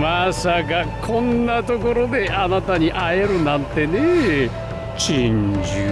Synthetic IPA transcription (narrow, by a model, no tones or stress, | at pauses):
masakakʰõ̞nːat̪o̞ko̞ɾo̞d̪e̞ʔanat̪aɲiʔaeɾɯ̟nãnt̪e̞ne | t͡ɕĩɲd͡ʑɨ